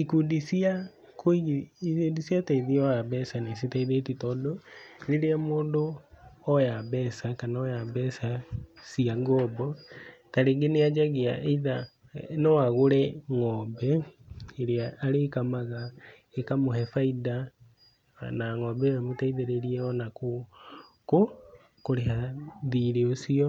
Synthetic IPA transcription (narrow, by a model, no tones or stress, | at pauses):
ikudisia | koi | disiataiðiɔaβɛsanas̬itaiðetitɔːdoɾeɾeamoːndoɔjaβɛsakanaɔjaβɛsasiaŋɡɔbɔtaɾeŋɡenead͡ʒaɣeaʔeiða | nɔaɣoɾɛŋɔːbɛeɾeaaɾekamaɣa | ekamohɛfaida | naŋɔːbɛɾamotaiðeɾeɾiɛɔnako | ko | koɾehaðiɾeosiɔ